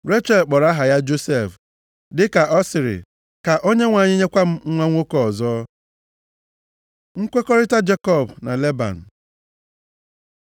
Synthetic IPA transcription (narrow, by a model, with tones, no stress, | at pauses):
ɾe˦t͡ʃe˨lk͡pɔ˨ɾa˦ɦa˨ja˦d͡ʒo˦se˦˨f | dɪ˦ka˨ʔɔ˦sɪ˨ɾɪ̰˨ | ka˨ʔo˦ɲe˦ŋʷa˨ɲɪ˦ɲe˦kʷa˦m̩˦ŋʷa˦ŋʷo˦kɔ˨ɔ˨zɔː˦ | ŋ̩˦kʷe˦kɔ˦ɾɪ˦ta˦d͡ʒe˦kɔ˦˨bna̰˨le˦ba̰˨n̩˨